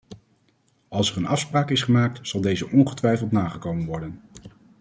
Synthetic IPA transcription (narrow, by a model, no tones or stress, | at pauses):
ɑlˠsɛɹənɑfspraːkɪsχəmaːk̚tz̥ɑlˠdejzəʔɔnχətʋɛjfəlˠtnaːχəkowmənʋɔɹdən